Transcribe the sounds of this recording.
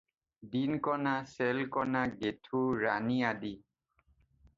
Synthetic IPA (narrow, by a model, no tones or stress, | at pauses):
dinkɔnasɛlkɔnaɡetʰuɹa̰niadi